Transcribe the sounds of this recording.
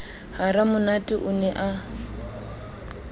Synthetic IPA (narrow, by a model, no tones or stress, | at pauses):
haɾamʊnatʼiʔʊnɛʔa